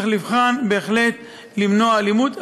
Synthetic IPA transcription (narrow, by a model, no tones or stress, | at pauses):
χlivχanbe̞ːχle̞t̪ | limno̞aːlimut̪